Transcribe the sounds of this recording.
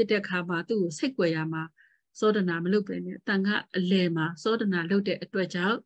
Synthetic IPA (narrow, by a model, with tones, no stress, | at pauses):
ɪ˦tːɛ˦˨ʔəkʰa˨ma˨t̪ṵ˦˨ɡo˨se˦ɪkwɛ˨ja˨ma˨ | sɔ˦də˨na˨məlo˦ʊpʰːɛ˨nɛ̰˦˨t̪ã˨ŋɡä̰˦˨ʔəlɛ˨ma˨sɔ˦də˨na˨lo˦ʊtːɛ̰˦ʔətwɛ˦ʔt͡ɕã˦˨ʊ̃